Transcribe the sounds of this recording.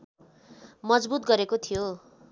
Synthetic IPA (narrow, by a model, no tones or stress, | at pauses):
mʌd͡zbut̪̚ɡʌɾekot̪ʰijo